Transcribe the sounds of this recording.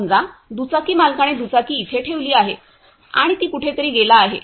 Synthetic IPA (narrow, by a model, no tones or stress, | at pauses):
nd͡zad̪ut͡sakiːmalkaɽ̃ed̪ut͡sakiːt̪ʰeʈʰeʋliːaɦe | a̰ɽ̃it̪iːkuʈʰet̪əɾiːɡelaːɦḛ